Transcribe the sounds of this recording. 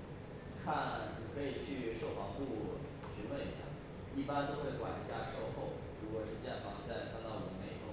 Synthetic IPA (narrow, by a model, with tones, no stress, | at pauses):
kʰa˥˩nni˨˩kʰɤ˧˥˩i˨˩t͡ɕʰy˥˩ʂo˥˩ʊfɑ˧˥ŋpu˥˩ | ɕy˧˥nwə˥˧ni˧˥ɕjɑ̰˨˩ŋ | i˥˩pa˥nt̪o˥ʊxwe˥˩ɪkwa̰˨˩n˥˩t͡ɕja˥˩ʂo˥˧ʊxo˥˩ʊ | ɻu˧˥kwɔ˨˩ʂɻ̩˥˧t͡ɕjɛ˥˩nfɑ˧˥ŋt͡sa˥˩ɪsa˥nt̪ɑ˥˩ʊu˧˥˩me˨˩ɪo˧˥˦